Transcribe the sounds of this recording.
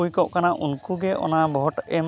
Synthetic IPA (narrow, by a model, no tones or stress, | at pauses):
ujkɔʔkanaʔunkuɡɛʔɔ̰nabʱɔʈɛm